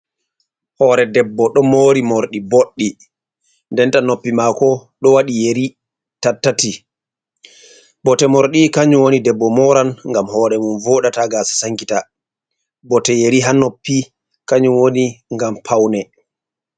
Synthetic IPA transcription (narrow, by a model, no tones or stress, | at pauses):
hɔːɾɛdɛbːɔɗɔmoːɾimoɾɗiboɗːi | ndɛntanopːimakɔɗɔwaɗijeɾi | tatːati | bɔtɛmɔɾɗikaɲuwonidɛbːɔmɔɾanŋɡamhɔːɾɛmunvɔɗataɡaːsḁsaŋkita | bɔtɛjeɾiɦanopːi | kaɲuwoniŋɡampʰawnɛ